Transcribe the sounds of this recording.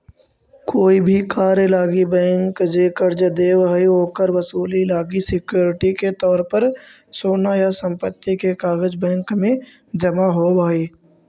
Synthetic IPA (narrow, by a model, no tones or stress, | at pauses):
koːibʱikaːɾjəlaːɡibɛ̃ːŋkd͡ʒeːkəɾd͡ʒəd̪eːʋəɦioːkəɾwəsuːlilaːɡisɪkjoːɾɪʈiket̪ɔːɾpəɾsoːnajasə̃mpət̪ːikekaːɡəd͡ʒbɛ̃ːŋkmẽ | d͡ʒɐmaɦobaːiː